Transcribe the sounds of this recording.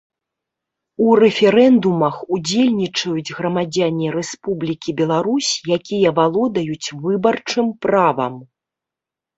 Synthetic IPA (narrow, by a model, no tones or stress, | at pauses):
urɛfʲɛɾɛnd̪umɐxud͡zʲelʲnʲit͡ʂɐjud͡zʲɣɾɐmad͡zʲanʲiɾɛspublʲikʲibʲɛlˠaɾusʲjakʲijɐvalˠɔd̪ɐjut͡sʲvɨbɐrt͡ʂɨmpɾavɐ̰m